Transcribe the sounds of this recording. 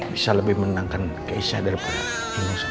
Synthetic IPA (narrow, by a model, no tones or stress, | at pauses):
bisaləbɪhmənənaŋkankəisa̰daɾipula | amas